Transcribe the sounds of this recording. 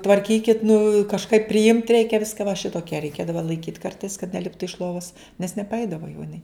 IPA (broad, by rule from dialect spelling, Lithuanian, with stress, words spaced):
tʋɐrʲˈkʲiːkʲɪt nʊ kɐʃˈkɐɪp pʲrʲɪˈɪmt ˈrʲɛɪkʲɛ ˈʋʲɪskɐ ʋɐ ˈʃʲɪtoːkʲiɛ rʲɛɪˈkʲeːdɐʋɐ lˠɐɪˈkʲiːt ˈkɐrtɐɪs kɐt nʲɛˈlʲɪptʊ ɪʃ ˈlˠoːʋɐs nʲɛs nʲɛpɐˈɛɪdɐʋoː jɛʊ ɪˈnɐɪ